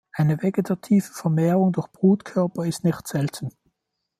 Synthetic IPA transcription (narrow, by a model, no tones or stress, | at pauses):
ʔaɪnəveɡetʰatʰiːfə̥fɛɐmɛːʁʊŋdʊɐçb̥ʁuːtkʰœɐpɐɪstnɪçtz̥ɛltʰn̩